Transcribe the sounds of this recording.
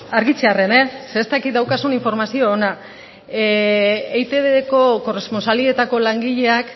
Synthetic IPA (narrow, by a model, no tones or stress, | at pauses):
aɾɣit͡ʃeare̞ne̞seːst̪akit̪̚d̪awkasuniɱfo̞ɾmasio̞ːna | ejt̪e̞βeeko̞ko̞re̞spo̞nsalie̞t̪ako̞laŋɡiʎe̞ak